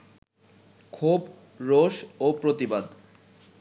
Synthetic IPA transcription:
kʰub | ɾoʃopɾot̪ibad̪

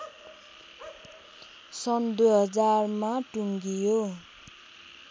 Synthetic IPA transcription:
sʌnd̪ujɦʌd͡zarmaʈuŋɡijo

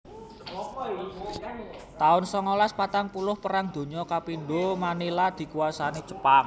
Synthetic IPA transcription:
t̪aʊnsɔŋɔlaspat̪aŋpulʊhpəɾaŋd̪̥o̤ɲɔkapinɖomanilad̪̥i̤kuasanit͡ʃə̥paŋ

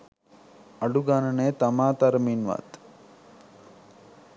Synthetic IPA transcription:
ɐɖuɡaːnɐneːt̪ɐmaːt̪ɐɾɐminʋa̰ːt̪

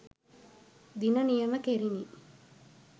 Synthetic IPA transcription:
d̪inənijəməkeɾini

